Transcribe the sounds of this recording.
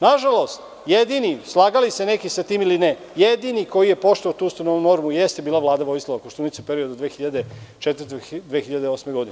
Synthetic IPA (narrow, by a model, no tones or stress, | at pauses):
naʒalo̞st̪ | jed̪inislˠaːɡalise̞ne̞kisat̪iːmiline | jed̪iniko̞jije̞po̞ʃt̪oat̪uːst̪ononuno̞ɾmujest̪ebiːlˠaʋlˠaːd̪aʋo̞jsloʋakoʃt̪unit̪siupeɾiod̪ud̪ʋeːxiʎad̪et͡ʃet̪vɾr̩t̪ed̪ʋexiʎad̪eo̞smeɡo̞d̪ine